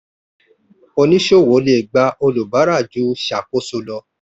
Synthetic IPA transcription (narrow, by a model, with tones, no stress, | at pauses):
o˧nĩ˦ʃo˦˨wo˨˦le˨ɡ͡ba˧ʔo˧lu˨ba˨˦ɾa˦˨d͡ʒu˨˦ʃa˨ko˦so˧lɔ˧